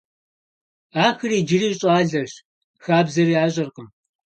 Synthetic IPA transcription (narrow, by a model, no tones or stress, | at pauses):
aːxɨriːd͡ʒɪriːɕʼaːɮɐɕ | xaːbzɐriːaːɕʼɐrqəm